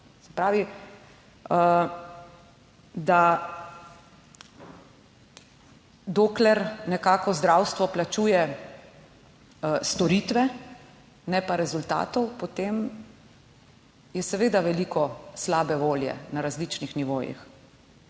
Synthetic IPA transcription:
sɛ̥pɾaːʋi | d̪a | d̪oklɛɾnɛkaːkɔzd̪ɾaːwst̪ʋɔplat͡ʃuːjɛ | st̪ɔɾit̪ʋɛ | nɛpaɾɛzult̪a̰ːt̪ɔwpɔt̪em | jɛsɛʋeːd̪aʋɛlikɔslaːbɛʋoːljɛ̰naɾazlit͡ʃnixniʋoːjḭx

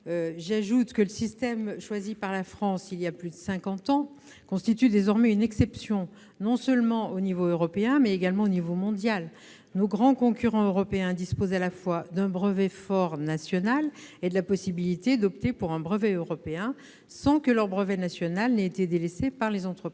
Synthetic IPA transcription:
øʒaʒut̪kələsist̪ɛmʃwazipaʁlafχɑ̃siliaplyd̪əsɛ̃kɑ̃t̪ɑ̃ | kɔ̃st̪it̪yd̪ezɔʁmɛynɛksɛpsjɔ̃ | nɔ̃sœlmɑ̃onivoøʁɔpeɛ̃mɛeɡalmɑ̃onivomɔ̃d̪jal | noɡʁɑ̃kɔ̃kʲyʁɑ̃øʁɔpeɛ̃d̪ispozalafwad̪ɛ̃bʁəvɛfɔʁnasjɔnaled̪əlapɔsibilit̪ed̪ɔpt̪epuʁɛ̃bʁəvɛøʁɔpeɛ̃ | sɑ̃kəlœʁbʁəvɛnasjɔnalneːt̪ed̪elesepaʁlezɑ̃t̪χəpi

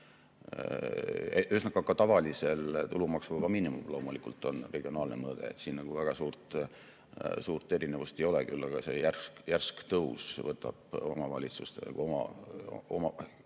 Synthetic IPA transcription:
ḛʔysnɑkɑkɑt̪ɑvɑlise̞lt̪ulumɑksuɑbɑminimṵmlo̞ːmulikult̪ːˑo̞nre̞ɡ̥io̞nɑːlnemɤːd̪̥e̞̰et̪siːnnɑɡ̥uvæɡ̥ɑsuːrt̪ | suːrt̪ːˑe̞ɾinevust̪e̞jo̞lekylːɑɡ̥ɑse̞jærkjærskt̪ɤusvɤt̪ːˑɑb̥o̞mɑvɑ̰lʲit̪sust̪enɑ̰ɡ̥uomɑ̰ | omɑ

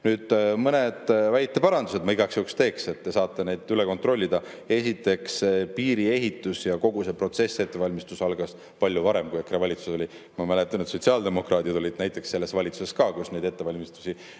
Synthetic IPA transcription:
nyːd̪̥mɤned̪̥væjt̪ːˑepɑɾɑnd̪use̞d̪mɑiɡɑksjoːkst̪e̞ːkse̞t̪ːe̞sɑːt̪ːe̞ne̞jd̪̥yle̞ko̞nt̪ro̞lʲːid̪̥ɑ | e̞sit̪ːˑe̞ksepiːɾie̞ɦit̪ːˑusjɑko̞ɡ̥use̞pro̞t̪se̞sːet̪ːe̞vɑlʲmist̪usɑlɡ̥ɑs | pɑlʲjuvɑɾe̞mkujekːɾevɑlʲit̪suso̞li | mɑmælet̪ːˑɑnet̪so̞t̪siɑld̪e̞mo̞krɑːt̪ʲid̪o̞lʲid̪̥næjt̪ˑːe̞ksːe̞lːe̞svɑlʲit̪su̥se̞skɑːkusne̞jd̪e̞t̪ːe̞vɑlʲmist̪u̥sʲi

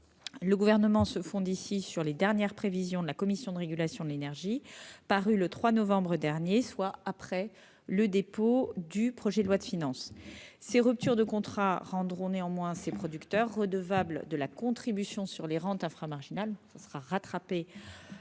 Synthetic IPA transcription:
ləɡuvɛʁnəmɑ̃səfɔ̃d̪isisyʁled̪ɛʁnjɛʁpχevizjɔ̃d̪əlakɔmisjɔ̃d̪əʁeɡʲylasjɔ̃d̪əlenɛʁʒipaʁylət̪χwanɔvɑ̃bʁəd̪ɛʁnjeswaapχɛ | ləd̪epod̪ypχɔʒɛd̪əlwad̪əfinɑ̃sseʁyp̚t̪yʁd̪əkɔ̃t̪χaʁɑ̃d̪ʁɔ̃neɑ̃mwɛ̃sepχɔd̪ykt̪œʁːəd̪əvabld̪əlakɔ̃t̪χibysjɔ̃syʁleʁɑ̃t̪ɛ̃fχamaʁʒinalsasəʁaʁat̪χape

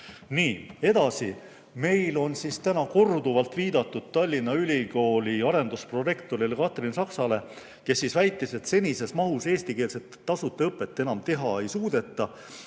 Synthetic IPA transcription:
niːe̞d̪̥ɑsi | me̞jlo̞nsist̪ænɑko̞rd̪uvɑlt̪ːˑviːd̪̥ɑt̪ːˑud̪̥̚t̪ːɑlʲːinːɑylʲiko̞ːlʲiɑɾe̞nd̪̥uspro̞je̞kt̪o̞ɾilekɑt̪ˑrinsɑksɑle̞ | ke̞sːisvæjt̪ːˑise̞t̪se̞nʲise̞smɑɦuse̞ːst̪ikeːlse̞t̪ːɑsut̪ːˑeɤpːˑe̞t̪ːˑenɑmt̪e̞ɦɑe̞jsuːd̪̥e̞t̪ːˑɑ

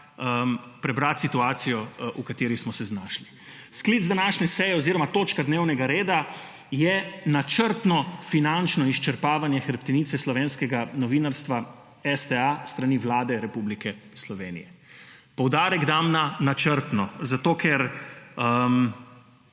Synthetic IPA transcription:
əmpɾɛbɾat̪sit̪uaːt̪sijɔʔukat̪eːɾismɔsɛznaːʃli | skliːd̪zd̪anaʃnɛsɛːjɛoziɾɔmat̪oːt͡ʃkad̪neːwnɛɡaɾeːd̪a | jɛnat͡ʃəɾt̪nɔfinant͡ʃnɔiʃt͡ʃɛɾpaːʋanjɛxɛɾpt̪ɛniːt̪sɛslɔʋeːnskɛɡanɔʋiːnaɾst̪ʋa | ɛst̪ɛast̪ɾaniʋlaːd̪ɛɾɛpublikɛ | slɔʋeːnijɛ̰pɔwd̪aːɾɛɡd̪amnanat͡ʃəɾt̪nɔzat̪okʰɛɾəm

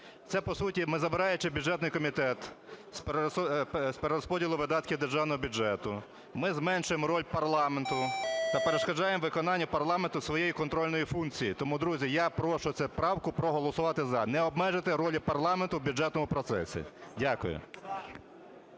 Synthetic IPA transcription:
t̪sɛpɔsutʲimɪzɐbɪɾɑjʊt͡ʃɪbʲʊd͡ʒɛt̪nɪjkɔmʲit̪ɛt̪s | speɾeɾɔspɔdʲilˠʊʋɪd̪ɑt̪kʲɪd̪erʒɑwnɔɦɔbʲud͡ʒɛt̪ʊ | mɪzmɛnʃʊjemɾɔlʲpɐrlˠɑment̪ʊt̪ɐpeɾeʃkɐd͡ʒɑjemʋɪkɔnɑnʲːɐpɐrlˠɑment̪ʊsʋɔjejikɔnt̪ɾɔlʲnɔjifunkt͡sʲijit̪ɔmud̪ɾuzʲijapɾɔʃʊsʲɛpɾɑwkʊpɾɔɦɔlˠɔsʊʋɑt̪ɪzɐnɛɔbmɛʒɪt̪ɪɾɔlʲipɐrlˠɑment̪ʊwbʲʊd͡ʒɛt̪nɔmʊpɾɔt̪sɛ̰sʲḭdʲakʊ̰jʊ̰

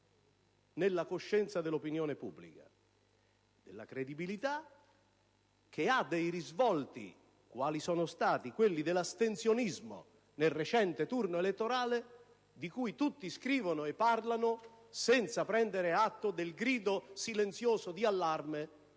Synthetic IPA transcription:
nelːakoʃːɛnt̪sad̪ɪlːopinjɔːnepubːlḭka̰ | d̪̥elːa̰kɾed̪ibilit̪a | k̟ead̪ejrizvɔlt̪ḭ | kwaːlisɔːnost̪aːt̪ikwelːid̪ɪlast̪ent̪sjonizmo̰ | nelret͡ʃɛnt̪et̪urnoelet̪ːoɾaːle | d̪ikujt̪ut̪ːiskɾiːvonʊepːarlanʊ | sɛnt̪sapɾɛnd̪eɾeat̪ːod̪elɡɾiːd̪osilent̪sjoːsod̪ialːarme

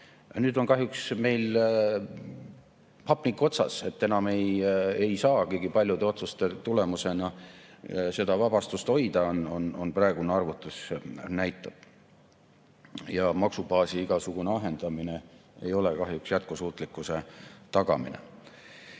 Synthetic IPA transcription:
nyːd̪o̞nkɑɦjuksme̞jl | pɑpnikːˑo̞t̪sɑ̰se̞t̪ːe̞nɑme̞jejsɑːkiɡipɑlʲjud̪e̞o̞t̪sust̪e̞t̪ule̞muse̞nɑ | se̞d̪ɑvɑb̥ɑst̪ust̪o̞jd̪ɑonononprɑˑe̞ɡ̥uneɑrvut̪ːˑusnæjt̪ːˑɑb̥̚ | jɑmɑksub̥ɑːsiiɡ̥ɑsuɡ̥uneɑɦe̞nd̪̥ɑmineejo̞lekɑɦjuksjæt̪̚kusuːt̪ˑlikːˑuse̞t̪ɑɡ̥ɑ̰mḭnḛ

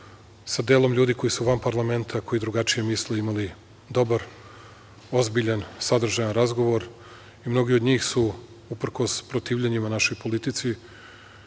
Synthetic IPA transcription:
sad̪e̞ːlˠo̞mʎʲuːd̪iko̞jisuʋampaɾlˠame̞nt̪ʰako̞jid̪ɾuɡat͡ʃije̞misleimali | d̪o̞baɾ | o̞zbiʎansad̪r̩ʒajanɾazɡo̞ʋo̞ɾ | imno̞ɡiod̪ɲiːxsu | upr̩ko̞spɾo̞t̪iːʋʎeɲimanaʃo̞jpo̞lit̪it̪si

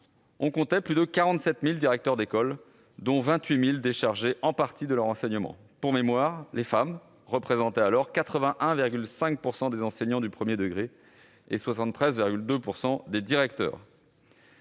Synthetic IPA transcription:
ɔ̃kɔ̃t̪ɛplyd̪əkaʁɑ̃t̪sɛt̪mild̪iʁɛk̚t̪œʁd̪ekɔl | d̪ɔ̃vɛ̃t̪ɥimild̪eʃaʁʒeʔɑ̃paʁt̪id̪əlœʁɑ̃sɛɲəmɑ̰̃ | puʁmemwaʁlefam | ʁəpχezɑ̃t̪ɛalɔʁkat̪χəvɛ̃ʔɛ̃viʁɡʲylsɛ̃k̚puʁsɑ̃d̪ezɑ̃sɛɲɑ̃d̪ypχəmjed̪əɡʁe | ḛswasɑ̃t̪ːχɛzviʁɡʲyld̪øpuʁsɑ̃d̪ed̪iʁɛk̚t̪œ̰ːʁ

